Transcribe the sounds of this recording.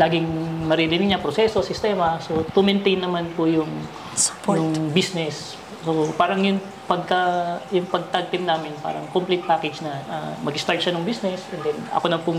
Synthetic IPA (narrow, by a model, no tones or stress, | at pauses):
laːɡɪŋmɐɾɪɾɪnɪɡ̚ɲɐpɾosɛso̞sɪst̪ɛːmɐsot̪ʊmɛnt̪ɛjnːɐmanpʊjʊŋ | sjʊŋbisnɛs | sopaːɾɐŋjʊŋ | pɐɡ̚kɐjʊŋpɐɡ̚t̪aɡ̚t̪ɪmnaːmɪnpa̰ːɾɐŋkomplɪt̪̚paːkɛd͡ʒnɐʔɐ̰mɐɡɪst̪aɹt̪ʃanʊŋbisnɛsʔɛnd̪ɛnɐ̰konɐŋpʊ